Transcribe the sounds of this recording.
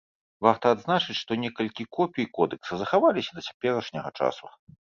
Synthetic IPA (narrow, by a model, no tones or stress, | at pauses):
vart̪ɐːd̪znat͡ʂɨt͡sʲʂt̪ɔnʲɛkɐlʲkʲikɔpʲiikɔd̪ɨksɐzɐxavalʲisʲɐd̪ɐt͡sʲḁpʲɛɾɐʂnʲɐɣɐ̰t͡ʂa̰su